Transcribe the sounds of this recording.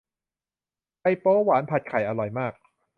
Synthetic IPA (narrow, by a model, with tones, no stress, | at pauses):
pa˧jpoː˦˥waː˩˦npʰa˨˩t̪̚kʰa˨˩˦jʔa˧ɾɔ˨˩jmaː˥˩k̚